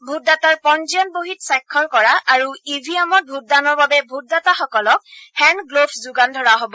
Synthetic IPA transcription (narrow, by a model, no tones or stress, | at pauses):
bʱut̚dataɹpɔnziɔnboɦitsajkʰːɔɹkɔɹaʔaɹuibʱiamɔt̚bʱut̚danɔɹbabɛbʱut̚dataxɔkɔlɔk̚hɛnɡlopʰzʊɡandʱɔɹaɦobɔ